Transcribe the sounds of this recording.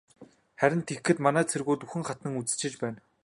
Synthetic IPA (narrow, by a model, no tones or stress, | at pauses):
χæɾʲɪ̆nt̪ʰexːɘ̆t̪manæːt͡sʰerɣuːt̪uxɘ̆ŋχat̪nə̆ŋut͡sɘ̥̆t͡ɕɪ̆t͡ɕpæːn